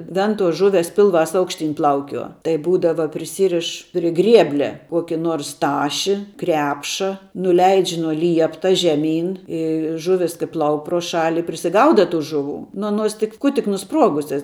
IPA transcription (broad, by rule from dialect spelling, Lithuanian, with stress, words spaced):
ˈʋʲɛntuɔs ˈʒʊʋʲɛs ˈpʲɪlˠˌʋɑːs ˈɐʊkʃʲˌtʲiːn ˈplˠɐʊkʲuɔ tɐɪ ˈbuːdɐʋɐ pʲrʲɪˈsʲiːrʲɪʃ pʲrʲɪ ˈɡrʲiɛbʲlʲɛ ˈkuɔkʲɪ ˈnuɔrs ˈtɑːʃʲɪ ˈkrʲæːpʃɐ nʊˈlʲɛɪt͡ʃʲ nuɔ ˈlʲiɛptɐ ʒʲɛˈmʲiːn ˈɪ ˈʒʊʋʲɪs kɐɪ ˈplˠɐʊk proː ˈʃɑːlʲɪ pʲrʲɪsʲɪˈɡɐʊdɐ ˈtuː ʒʊˈʋuː nʊ ɐˈnuɔs tʲɪk ˈkʊ tʲɪk nʊˈspruɔɡʊsʲɛs